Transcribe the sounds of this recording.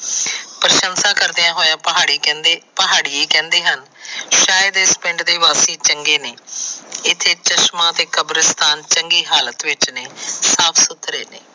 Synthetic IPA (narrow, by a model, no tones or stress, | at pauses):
pɾəʃənsaːkəɾd̪eãːɦoːjãːəɦaːɽipəɦaːɽiːeːkɛ̃ːnd̪eːɦənʃaːjəd̪espɪ̃ɳɖd̪eːʋaːsiːt͡ʃəŋɡeːneːɪt̪ʰːeːt͡ʃəʃmãːt̪eːkəbɾəst̪ʰaːnt͡ʃəŋɡiːɦaːlət̪ʋɪt͡ʃneːsaːpʰsʊt̪ʰɾḛːnḛː